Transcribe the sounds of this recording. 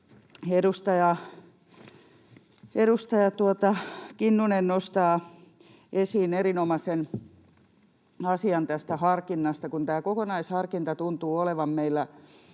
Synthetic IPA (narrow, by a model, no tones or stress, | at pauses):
edust̪ɑjɑ | eɾust̪ɑjɑt̪uot̪ɑkinːunennost̪ɑː | ʔesiːnerinomɑsen | ɑsiɑnt̪æst̪æhɑrkinːɑst̪ɑkunt̪æːkokonɑishɑrkint̪ɑt̪unt̪uːoleʋɑmmeilːæ